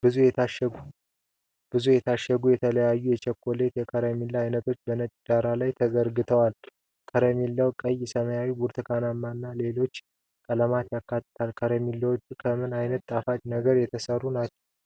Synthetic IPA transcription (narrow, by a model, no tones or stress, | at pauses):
bɨzujɛu | b̥ɨzujɛt̪ʰaʃəɡujɛt̪ʰələjajːujɛt͡ʃʰɛkːo̞le̞t̪jɛkʰəɾəmilːajnət̪ʰo̞t͡ʃːbənət͡ʃʼd̪aɾalajt̪ʰəzəɾɡɨt̪ʰəwal | kʰəɾəmilːəwkʼəjɛsəməjawibuɾt̪ʰɨkʰanamːanːale̞lo̞t͡ʃː | kʼələmat̪jakːat̪ʼːɨt̪ʰalkʰəɾəmilːəwt͡ʃʼːukʰəmɨnajnət̪ːʼafat͡ʃnəɡəɾjɛt̪ʰəsərːunat͡ʃːɛw